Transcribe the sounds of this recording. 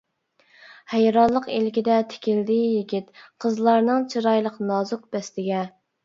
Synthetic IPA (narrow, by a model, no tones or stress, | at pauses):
hæjɾɑnlˠəqelkʲid̪ɛt̪ʰɪ̥kʲɪld̪ɪjiɡʲit̪qʰəzlˠɑɾnɨŋt͡ʃʰiɾɑjlˠəqnɑzʊq̚bɛst̪ɪɡʲɛ